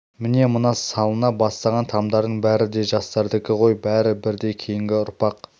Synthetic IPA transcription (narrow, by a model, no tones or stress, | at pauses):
mɪne̞mənɑsːɑlˠənɑbɑst̪ɑʁɑnt̪ʰɑmd̪ɑɾd̪əɴbæɾɪd̪e̞ʒɑst̪ɑɾd̪əkʲɪʁo̞jbæɾɪbɪɾd̪e̞kʲʰe̞jɪŋɡʲɪʊɾpɑq